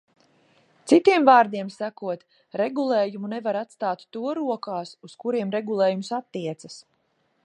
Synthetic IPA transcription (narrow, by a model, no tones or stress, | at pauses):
t̪sit̪iɛmvaːɾd̪iɛmsakuɔt̪ | ɾeɡulˠeːjumunevaɾat̪st̪aːt̪t̪ːuɔɾuɔkaːsuskuɾiɛmɾɛɡulˠeːjumsat̪ːiɛt̪sas